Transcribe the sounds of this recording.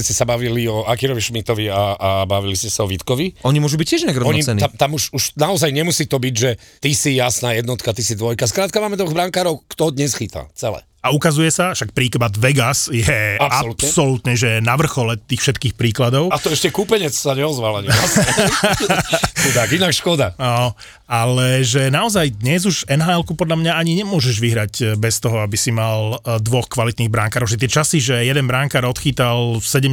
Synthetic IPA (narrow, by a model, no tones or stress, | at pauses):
scɛsabaʋiliɔakiɾɔʋiʃmit̪ɔʋiaabaʋiliscɛsaɔʋit̪kɔʋiɔɲimʊɔʒubic̚cːɪɛʒinaɡɾɔɔɲiɛniamt̪amuʃuʃnaɔzajɲɛmusit̪ɔbiɟʒɛt̪isijasnaːjɛd̪nɔt̪kat̪isid̪ʋɔjkaskɾaːt̪̚kamaːmɛd̪ɔɣbɾaŋkaːɾɔʊkt̪ɔd̪ɲɛsxit̪a̰t͡sɛlɛ̰ | aukazujɛsafʃak̚pɾiːkbad̪ʋɛɡasjɛapalut̪psɛɔlut̪nɲɛʒɛnaʋr̩xɔlɛt̪iːxfʃɛt̪kiːxpɾiːklad̪ɔʊat̪ɔɛʃcɛkupɛɲɛt͡ssaɲɛɔzʋalaɲias | ud̪akinakʃkɔd̪aɔ | alɛʒɛnaɔzajd̪ɲɛzuʒɛnɦaːɛlkupɔd̪ʎamɲaaɲiɲɛmʊɔʒɛʒʋiɦɾacbɛst̪ɔɦɔabisimald̪ʋɔxkʋalit̪niːbɾaŋkaːɾɔʊʒɛt̪̬ɪɛt͡ʃasiʒɛjɛd̪ɛnbɾaŋkaːɾɔt̪xiːt̪alsɛɟɛm